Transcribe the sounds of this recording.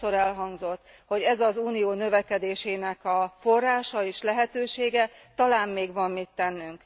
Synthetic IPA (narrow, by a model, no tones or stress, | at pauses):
o̞ɾɛlɦɒŋɡzo̞t̪ː | ho̞ɟɛzɒzuːnijoːnø̞vɛkɛd̪eːʃeːnɛkɒfo̞rːaːʃɒeːʃlɛɦɛt̪øːʃeːɡɛt̪ɒlaːmːeːɡvɒmːit̪ːɛnːyŋk